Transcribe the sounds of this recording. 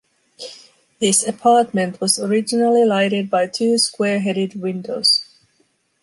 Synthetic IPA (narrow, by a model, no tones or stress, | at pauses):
ðɪsɨpʰɑɹt̚mɨ̃ntʰwʌzəɹɪd͡ʒɨnəl̩ˠilaɪɾɨd̚baɪtʰʉːskwɛɹɦɛɾɪd̚wɪ̃ndoʊz̥